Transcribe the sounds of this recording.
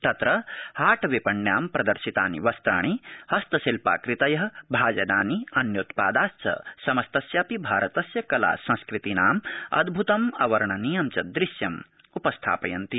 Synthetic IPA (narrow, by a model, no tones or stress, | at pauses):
t̪ɐt̪ɾɐhaːʈʰɐʋipɐɳjaːmpɾɐd̪ɐɾʃit̪aːnḭʋɐst̪ɾaːɳ̃ihɐst̪ɐsilpa̰ːkɾit̪ɐjɐɦɐ̆bʱaːd͡ʒɐnaːniɐnjot̪paːd̪aːst͡ʃɐ̰sɐmɐst̪ɐsjaːpibʱaːɾɐt̪ɐsjɐkɐla̰ːsɐ̃skɾit̪inaːmɐ̰d̪bʱut̪ɐmɐ̰ʋɐɾɐɳɐnijɐmt͡ʃɐd̪ɾiʃjɐm | upɐst̪ʰa̰ːpɐjɐnt̪i